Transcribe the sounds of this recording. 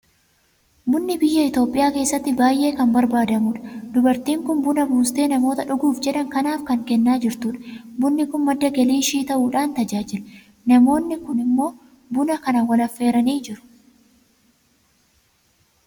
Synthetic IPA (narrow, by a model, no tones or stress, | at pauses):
bʊnːɪbɪjːɐɪt̪o̞ːpʼːɪjaːke̞ːsːɐt̪ːɪbaːjʔe̞ːkɐmbɐɾbaːd̪ɐmʊᶑɐ̥d̪ʊbɐɾt̪iːŋkʊnbʊnɐbuːst̪e̞ːnɐmo̞ːt̪ɐᶑʊɡuːfd͡ʒɛᶑɐŋkɐnaːfkɐŋkɛnːaːd͡ʒɪɾt̪uːᶑɐ̥bʊnːɪkʊnmɐd̪ːɐɡɐliːʃiːt̪ɐʔuːᶑaːnt̪ɐd͡ʒaːd͡ʒɪl | nɐmo̞ːnːɪkʊnɪmːo̞ː | bʊnɐkɐnɐwɐlɐfːe̞ːɾɐniːd͡ʒɪɾʊ̥